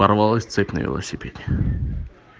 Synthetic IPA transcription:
ɐrvalˠəsʲt̪sɛpʲnə̰vʲɪ̰lˠə̰sʲɪpʲedʲɪ̥

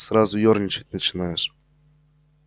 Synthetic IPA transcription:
sɾazʊjornʲɪt͡ɕɪ̥tʲnət͡ɕɪnajʊʂ

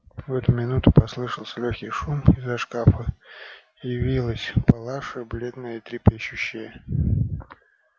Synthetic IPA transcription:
vɛt̪ʊmʲɪnut̪ʊpɐslˠɨʂəlˠsʲəlʲoxʲijʂumɪzɐʂkafə | jɪvʲilˠəsʲpɐlˠaʂɨblʲe̞d̪nəjəit̪ɾʲɪpʲeɕːʊɕːɪjə

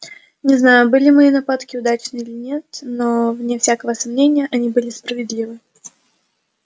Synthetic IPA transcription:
nʲɪznajʊbɨlʲɪmɐinɐpat̪kʲɪʊd̪at͡ɕnɨilʲɪnʲe̞t̪novnʲefsʲakəvəsɐmnʲenʲɪjəʔɐnʲibɨlʲɪspɾəvʲɪd̪lʲivɨ

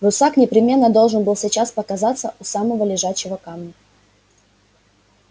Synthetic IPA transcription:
ɾʊsaknʲɪpɾʲɪmʲe̞nːəd̪o̞lˠʐɨnbɨlˠsʲɪt͡ɕaspəkɐzat̪sːəʔʊsaməvəlʲɪʐaɕːɪvəkamnʲə

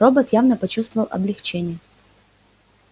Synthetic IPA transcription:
ro̞bət̪javnəpɐt͡ɕust̪vəvəlˠʔɐ̰blʲɪxt͡ɕenʲɪjə

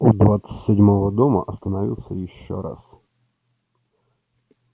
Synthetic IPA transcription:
ud̪vat̪sɨtʲsʲɪdʲmovəd̪omə̰ʔɐst̪ənɐvʲḭlˠsʲəjɪɕːo̰ɾa̰s

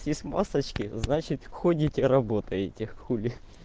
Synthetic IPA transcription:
sjesʲtʲma̰sət͡ɕkʲɪznat͡ɕɪt̪ʲxodʲɪtʲɪɾɐbo̞t̪əjɪtʲɪxulʲɪ

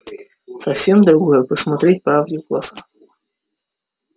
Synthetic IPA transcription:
sɐwsʲɛmd̪ɾuɡɔjɛpəsmat̪ɾʲɛt̚ʲpɾawdʲɪɡlˠasa

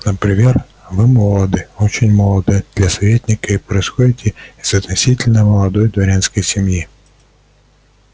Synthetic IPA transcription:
nəpɾʲɪmʲer | vɨmolˠəd̪ɨot͡ɕɪnʲmolˠəd̪ɨd̪̥lʲɐsɐvʲetʲnʲɪkəipɾəɪsxodʲɪt̪ʲɪɪz̥ɐt̪nɐsʲitʲɪlʲnəməlˠɐd̪ojd̪vɐɾʲenskəjsʲɪmji

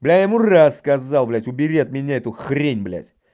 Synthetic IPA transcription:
blʲæjamurasːkɐzalˠblʲæt̪ʲʊbʲɪɾʲet̪̚mʲɪnʲaɛt̪uxɾʲenʲblʲæ̰sʲ

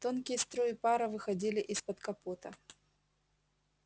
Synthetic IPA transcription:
t̪o̞nkʲɪjəst̪ɾojɪpaɾɐvɨxɐdʲilʲɪʔispɐt̪kɐpot̪ə

